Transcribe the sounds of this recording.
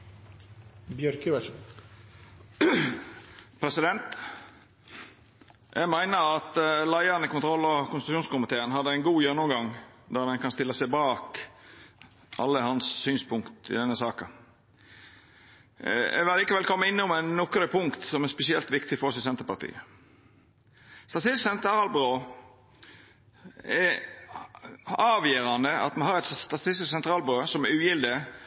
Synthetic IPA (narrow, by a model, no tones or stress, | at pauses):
bjœɾkəʋɛʂ | pʰɾɛsɪd̪ɛnt̪ | jʔæ̰ɡmæɪnəɾɑt̪læɪɑnəkʊnt̪ʰɾɔlːɔkʊnst̪ʉʃuːnskʊmɪt̪ʰeːənhɑd̪ːəæɪnɡuːjɛnːʊmɡɑŋd̪ɑɾmɛnkɑnst̪ɪlːəsɛɪbɑːk | ʔɑ̰lːəhɑnssyːnspʰʊŋkt̪ɪ̰d̪ɛnːəsɑːkɑ | ɛ̰ʋɪlɑliːkəʋɛlkʰɔmːəɪnːʊmænːɔkɾəpʰʊŋkt̪sɔmɛɾspɛsɪɛlt̪ʋɪkt̪ɪfɔɾɔsɪsɛnt̪əɾpɑɾt̪ʰḭːə | st̪ɑt̪ɪsksɛnt̪ɾɑːlbɾoː | ɛ | ɑːʋjeːɾɑnd̪əɑ̰t̪mɛnhɑːɾɛt̪st̪ɑt̪ʰɪst̪ɪssɛnt̪ɾɑːlbɾøːsɔmɛɾʉːjɪld̪ə